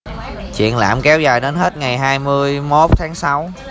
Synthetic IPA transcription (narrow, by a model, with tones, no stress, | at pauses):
t͡ɕwḭ˧˨ənla̰ː˧˩˥mkɛ˨˦wzaː˨˩jɗe˨˦nhe˦˥t̚ŋa˨˩jɦaː˧jmɨ˧əjmo˦˥t̚t̪ʰaː˨˦ŋsa˨˦w